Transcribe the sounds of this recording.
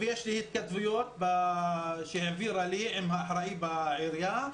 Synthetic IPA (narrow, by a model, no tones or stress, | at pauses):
vejeʃlihit̪̚kat̪vujot̪̚ba | ʃeʕviɾaliʕimɦaːħɾaibaʕiɾja